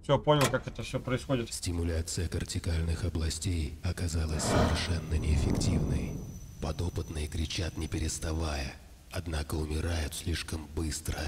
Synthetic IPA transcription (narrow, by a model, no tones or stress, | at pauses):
fsʲoponʲɪlˠkakɛt̪əfsʲopɾəɪsxodʲɪt̪sʲtʲɪmʊlʲat̪sɨjəkərtʲɪkalʲnɨxɐblˠɐsʲtʲejɐkɐzalˠəsʲsəvʲɪrʂɛnːənʲɪːfʲɪktʲivnə̰jpɐd̪o̞pɨt̪nɨjəkɾʲɪt͡ɕat̪nʲɪpʲɪɾʲɪst̪ɐvajə | ɐd̪nakəʊmʲɪɾajʊt̪sʲlʲiʂkəmbɨst̪ɾə